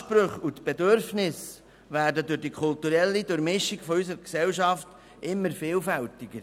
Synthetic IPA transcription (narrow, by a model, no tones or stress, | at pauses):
pɾøχutb̥edøɾfnɪs | ʋæːɾdədʊɾd̥ikʰʊltuɾɛlːidʊɾmɪʃɪɡ̥fɔysəɾksɛlʃɑft | ʔɪmːəɾfɪːlfæltɪɡ̥əɾ